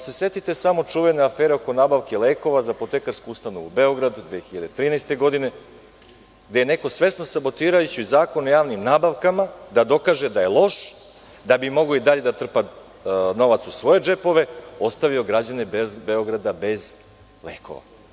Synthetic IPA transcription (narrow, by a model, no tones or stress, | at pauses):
se̞se̞t̪it̪e̞samo̞t͡ʂuʋeneafeːɾeo̞ko̞naːbaʋkeleːko̞ʋazapot̪ekaɾskuust̪anovubeo̞ɡɾad̪d̪ʋexçiʎad̪et̪ɾiːnajst̪e̞ɡo̞d̪ine̞ | ɡd̪ejene̞ko̞sʋe̞sno̞sabo̞t̪iːɾajut͡ɕiizaːko̞nojaːʋnimnaːbaʋkamad̪ad̪o̞kaʒed̪aje̞lˠo̞ʃ | d̪abimo̞ɡoid̪aʎed̪at̪r̩pa | no̞ʋat̪susʋo̞je̞d͡ʒepo̞ʋe̞o̞st̪aʋio̞ɡɾad͡ʑanebzbeo̞ɡɾad̪abe̞z | lḛːko̞̰ʋa̰